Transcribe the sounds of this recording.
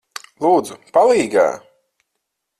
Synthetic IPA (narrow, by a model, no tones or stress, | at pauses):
lˠuːd̪zupalˠiːɡa̰ː